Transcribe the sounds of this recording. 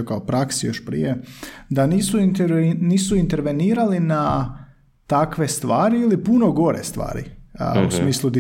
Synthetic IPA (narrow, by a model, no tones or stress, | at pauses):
okaopɾaksijo̞ʃpɾḭje̞d̪aniːsunt̪niːsuint̪e̞ɾʋe̞niːɾalina | t̪akʋe̞st̪ʋaːɾiilipunoɡo̞ɾḛst̪ʋa̰ːɾḭṵsmiːslˠud̪